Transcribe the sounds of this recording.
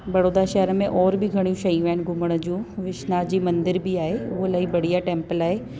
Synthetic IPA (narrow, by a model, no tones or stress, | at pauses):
bɐɽoːd̪aʃɛɦəɾəmẽʔɔːɾbɪɡʱɐɽ̃jũʃɐɦĩʋɐɪnɪ̆ɡʱʊməɽ̃ə̆d͡ʑũːʋɪʃnad͡ʑiːmɐ̃nd̪ɪɾbɪaːɦeʊɦolaːibɐɽ̤ijaʈẽːmpəlaːɦeː